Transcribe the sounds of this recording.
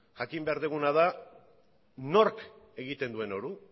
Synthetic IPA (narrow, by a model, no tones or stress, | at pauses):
ʝakimbe̞aɾðuɣunaða | no̞rk | e̞ɣit̪e̞nd̪ue̞no̞ɾu